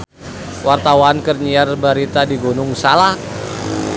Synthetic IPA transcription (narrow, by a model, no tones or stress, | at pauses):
wart̪awankərɲiarbaɾit̪adiɡunʊŋsalak